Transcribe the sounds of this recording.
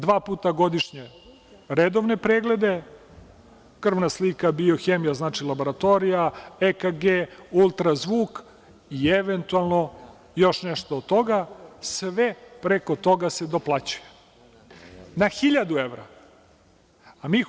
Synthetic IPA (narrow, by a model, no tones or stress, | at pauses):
d̪ʋaːpuːt̪aɡo̞d̪iʃɲe | ɾed̪oʋne̞pɾeːɡle̞d̪e̞ | kr̩ʋnaslikabio̞xeːmijaznaːt͡ʂilˠabo̞ɾat̪o̞ɾijaekaɡeːulˠt̪ɾazʋuːk | ieʋent̪ualˠno̞ | jo̞ʃneʃt̪oːd̪̚t̪ːo̞ɡasʋepɾeko̞t̪o̞ɡase̞d̪oplˠat͡ɕuje | naxiʎad̪ueʋɾa̰ | amiː